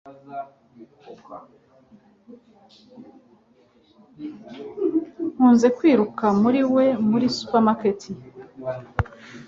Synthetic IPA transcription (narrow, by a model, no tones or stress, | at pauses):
huːnze̞kwiːɾukamuɾiwe̞muɾisu̥paɾmaketʰi